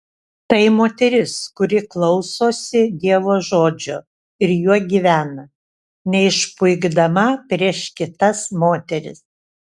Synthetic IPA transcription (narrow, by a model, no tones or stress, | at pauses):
t̪ɐɪmoːt̪ʲɛɾʲɪskʊɾʲɪklˠɐʊsoːsʲɪd̪ʲiɛʋoːʒoːd͡ʒʲo | ɪɾjuɔɡʲiːʋʲæːnɐ | nʲɛɪʃpʊɪɡd̪ɐmɐpʲɾʲiɛʃkʲɪt̪ɐsmoːt̪ʲɛɾʲɪ̰s